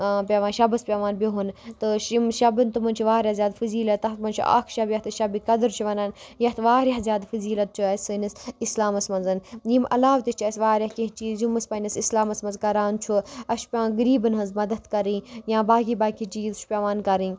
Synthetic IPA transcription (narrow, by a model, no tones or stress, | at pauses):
pʲeʋaːnʃɐbɐspʲeʋaːnbʲiɦunt̪ɨʃimʃɐbɨnt̪umɐnt͡ʃʰuʋaːɾʲazʲjaːd̪fɨziːlɐt̪ɐt̪mɐnt͡ʃʰṵʔɐ̰kʰʃɐbjɐht̪ɨʃɐbikɐd̪ɨɾt͡ʃʰuʋɐnaːnjɐt̪ʰʋaːɾʲjazʲjaːd̪fɨziːlɐt̪̚t͡ʃʰuɐsɨnisislaːmɐsmɐnzɐnjimɐ̰laːʋt̪ist͡ʃʰːsʲʋaːɾʲɐhkĩɦt͡ʃiːzimɐsʲpɐnisislaːmɐsmɐnzkɐɾaːnt͡ʃʰuɐʃʰpʲaːɡɐɾiːbɨnɦɐnzmɐd̪ɐt̪kɐɾĩjãːbaːɡibaːkʰit͡ʃiːzt͡ʃʰu̥pʲeʋaːnkɐɾĩ